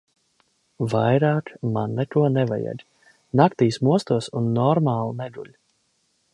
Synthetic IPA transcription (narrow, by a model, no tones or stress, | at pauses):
vajɾaːkmanːɛk̪uɔnɛva̰jɛ̰d̪ʲ | nakt̪iːsmuɔst̪uɔsunːɔɾmaːlˠnɛɡ̪uʎʲ